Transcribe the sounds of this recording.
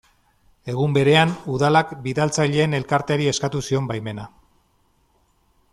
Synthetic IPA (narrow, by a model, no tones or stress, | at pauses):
e̞ɣ̞umbe̞ɾe̞anuðalakbiðalt͡saʎe̞ːne̞lkaɾt̪e̞aɾie̞skat̪usio̞mbajme̞na